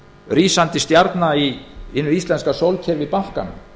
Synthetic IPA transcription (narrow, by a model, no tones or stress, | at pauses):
riːsant̪ɪst̪jaɾt̪naiɪnːʏisɛnskasowlcʰɛɾvɪðpahka̰nʏ̰m